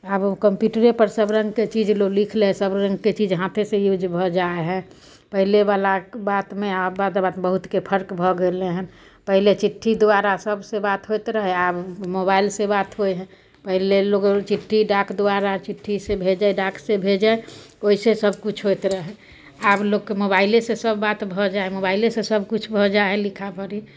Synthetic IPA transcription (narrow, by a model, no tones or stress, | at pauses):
əbkəmpjuːʈəɾepəɾsəbɾə̃ŋɡket͡ʃid͡ʒloɡlikʰlesəbɾə̃ŋɡket͡ʃid͡ʒɦãt̪ʰesejud͡ʒbʱɔd͡ʒaeɦɛ̃ | pəɦlebalabaːt̪mẽabad̪baːt̪bəɦut̪kepʰəɾkbʱɔɡeleɦɛ̃ | pəɦlet͡ʃɪʈʰːid̪oaɾasəbʱsebaːt̪ɦot̪ɾəɦɛabmobailsebat̪ɦoeɦɛ̃ | pəɦileloɡt͡ʃiʈʰːiɖakd̪oaɾat͡ʃiʈʰːisebʱed͡ʒaɖaksebʱed͡ʒae | oisesəbkut͡ʃʰɦojt̪ɾəɦɛ | abloɡkemobaɪlesesəbːat̪bʱɔd͡ʒaemobailesesəbʱkut͡ʃʰbʱɔd͡ʒaɛlikʰabʱəɾi